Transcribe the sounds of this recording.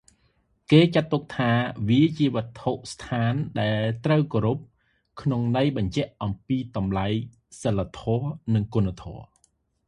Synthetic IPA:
keːt͡ɕat̪ːuk̚t̪ʰaːʋiət͡ɕiəʋə̆ət̪ʰːoʔst̪ʰaːnɗaɛlt̪rəwkoːɾup̚ | kʰnoŋnəjɓɑɲt͡ɕɛ̆əʔʔɑmpiːt̪ɑmlaj | səlːat̪ʰɔənɨŋkunt̪ʰɔə

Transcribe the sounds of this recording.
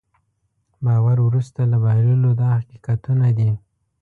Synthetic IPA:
bɑwaɾwɾust̪alabɑlulod̪ɑhaqiqat̪unad̪i

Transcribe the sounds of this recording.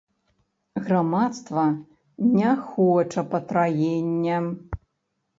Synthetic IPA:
ɣramat̪st̪vɐ | nʲɛxɔt͡ʂɐpɐt̪ɾajenʲːɛ

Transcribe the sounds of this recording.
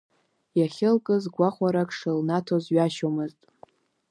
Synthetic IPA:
jaχʲɪlkʼɨzɡʷaχʷaɾakʰʼʂɨlnatʰozɥaʃomɨztʼ

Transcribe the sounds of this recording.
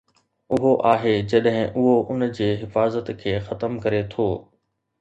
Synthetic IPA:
ʊɦoʔaːɦed͡ʑɐɗɦɪ̃ʔʊɦoʔʊnd͡ʑeːɦɪfaːzət̪kʰeːxɐt̪əmkɐɾet̪ʰoː

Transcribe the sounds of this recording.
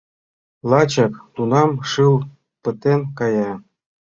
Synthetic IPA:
lˠɑt͡ɕɑkt̪unɑmʃɯlˠ | pə̆t̪enkɑjɑ

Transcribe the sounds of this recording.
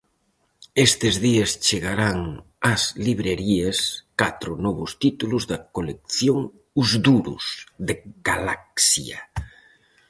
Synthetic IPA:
est̪ezðiest͡ʃeɣaɾaŋ | ɐsliβɾeɾieskat̪ɾʊnɔβʊst̪it̪ulʊzðɐkolek̚θjoŋ | uzd̪uɾṵsðeɡalak̚sja̰

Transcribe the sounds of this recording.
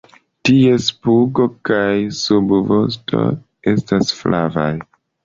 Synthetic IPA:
tie̞spuɡo̞kajsubvos̬tʰo̞̰ | e̞stasflʔa̰va̰j

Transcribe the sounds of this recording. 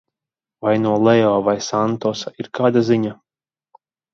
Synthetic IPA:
vajnuɔlˠɛɔːvajsant̪ɔsaiɾkaːd̪aziɲa

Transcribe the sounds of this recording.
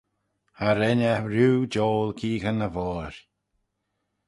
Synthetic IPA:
haɾɛnəɾuːd͡ʒoːlkʰiːɣənəvɔːɾ

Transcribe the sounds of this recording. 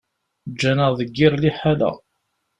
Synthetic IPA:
d͡ʒːænəʁðˤəɡːɪɾˤliħalæ̰

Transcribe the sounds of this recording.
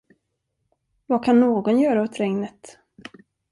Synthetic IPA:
vakʰanːoːɡɔnjœːɾaɔt̪ɾɛŋnət̪

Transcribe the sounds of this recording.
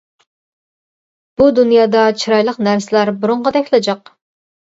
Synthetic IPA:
b̥ud̪unjɑːd̪ɑt͡ʃʰiɾɑjlˠəqnæɾsɪlæɾbuɾʊɴʁəɑd̪ɛkʲʰlˠɪd͡ʒɑq

